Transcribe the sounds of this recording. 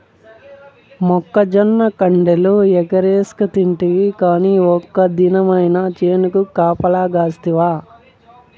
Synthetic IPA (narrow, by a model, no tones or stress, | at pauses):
mɔkːɐd͡ʒɐnːɐkɐɳɖeluɛɡɐɾeːskɐt̪iɳʈiʋikaːniɔkːɐd̪inɐmɐjnɐt͡ʃeːnukukaːpɐlaːɡaːst̪iʋaː